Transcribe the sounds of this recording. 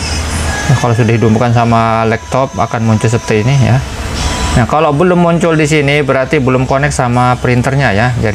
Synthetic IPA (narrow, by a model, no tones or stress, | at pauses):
jakalosudahɦidʊpmbkans̬amalɛk̚t̪ɔp̚a̰kanmuɲt͡ʃʊlsəpərt̪iːnija̰ | nakalowbəlʊmːuɲt͡ʃʊldisinibəɾart̪ibəlʊmkonɛk̚samapəɾint̪ərɲajad͡ʒadi